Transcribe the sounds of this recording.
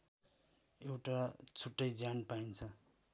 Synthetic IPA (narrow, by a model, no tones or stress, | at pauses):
ewʈat͡sʰuʈːʌjd͡zanpaint͡sʰʌ